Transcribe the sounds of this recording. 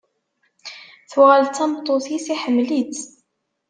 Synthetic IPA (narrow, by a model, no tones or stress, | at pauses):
θwʁəlt̪æmt̪ˤːoθisiħəmːlit̪